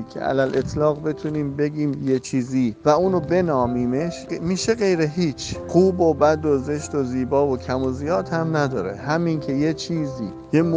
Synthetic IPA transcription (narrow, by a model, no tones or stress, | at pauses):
kʰḛʔæ̰lælʔet̪ʰlɒːɣbe̞t̪ʰuniːmbe̞ɟiːmje̞t͡ʃʰiːziːvæuːnobe̞nɒːmiːme̞ʃmiːʃe̞ɣe̞jɾeɦiːt͡ʃʰɢuːbobæd̪oze̞ʃt̪oziːbɒːvocʰæmozijɒːt̪hæmnæd̪ɒːɾḛhæmiːncʰe̞jet͡ʃʰiːzḭː | jem